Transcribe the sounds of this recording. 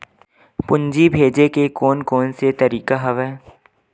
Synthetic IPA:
pʊɲd͡ʒibʱeːd͡ʒekekɔːnkɔːnset̪ɐɾiːkaɦɐʋɛː

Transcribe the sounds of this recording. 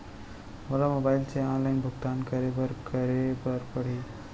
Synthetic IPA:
molamobajlt͡seɔ̃nlajnbʱuɡt̪ankəɾebəɾkəɾebəɾpəɽ̤i

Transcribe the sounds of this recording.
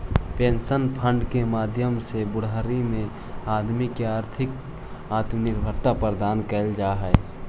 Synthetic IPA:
pẽːnsənpʰə̃ɳɖkemaːd̪ʱjəmsebʊɽ̤aɾimẽ | aːd̪mikeaːɾt̪ʰɪk | aːt̪mnɪɾbʱəɾt̪apəɾəd̪aːnkəld͡ʒaːɦɛɛ

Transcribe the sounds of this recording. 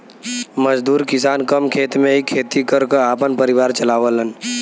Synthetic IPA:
məd͡ʒd̪uːɾkɪsaːnkɐmkʰeːt̪mẽɦikʰːeːt̪ikɐɾkəaːpənpəɾɪʋaːɾt͡ʃɐlaːʋələn

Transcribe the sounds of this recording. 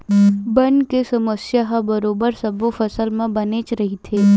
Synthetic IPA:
bɐɳkesɐməsjaɦabəɾoːbəɾsɐbofɐsəlmẽbɐnet͡ʃɾɐɦit̪ʰeː

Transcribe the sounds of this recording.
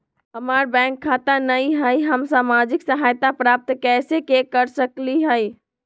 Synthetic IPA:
ɦəməɾbɛ̃ŋkʰːat̪anəjɦəjɦəmsamad͡ʒiksəɦajt̪apɾap̚t̪kɛsekekəɾsəkliɦəj

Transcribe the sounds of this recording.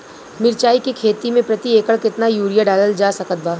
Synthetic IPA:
mɪɾt͡ʃaːikekʰeːt̪imẽpɾɐt̪ieːkəɭkɪt̪najuːɾijaɖaːləld͡ʒaːsɐkət̪̚baː

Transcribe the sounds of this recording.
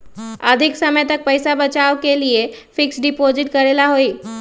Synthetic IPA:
əd̪ʱɪksəməjt̪ək̚pəjsabət͡ʃaːʋkeliefɪksɖɪpozɪʈkəɾelaɦoiː

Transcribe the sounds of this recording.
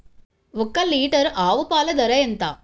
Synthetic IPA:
ɔkːɐliːʈɐɾaːʋupaːlɐd̪ɐɾɐjent̪aː

